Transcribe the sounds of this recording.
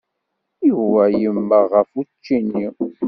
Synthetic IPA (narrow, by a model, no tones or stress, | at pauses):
juvæjəmːəʁəfut͡ʃːinːi